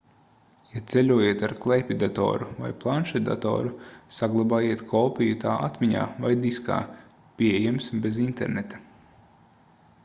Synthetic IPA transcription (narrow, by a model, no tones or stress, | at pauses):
jat̪selʲuɔjiɛt̪aɾklˠejpʲid̪at̪ɔ̰ːɾuva̰jplˠanʃad̪a̰t̪ɔ̰ːɾusaɡlˠabaːjiɛt̪kʰɔːpʲijut̪aːʔat̪mʲiɲa̰ːvajd̪iska̰ː | pʲiejɛmsbezint̪ɛɾnet̪ḁ